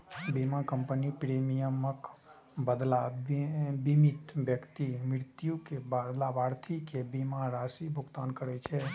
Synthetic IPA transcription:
bimakəmpənipɾemijəmək | bəd̪la | bimit̪bjəkt̪imɾiɾt̪jukebalabaɾt̪ʰikebimaɾasibʱuɡt̪ankəɾɛt͡ʃʰɛ

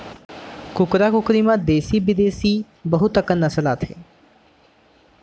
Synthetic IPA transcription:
kʊkɾaːkʊkɾimãd̪eːsibɪd̪eːsi | bɐɦʊt̪əkənːɐsəlaːt̪ɦḛː

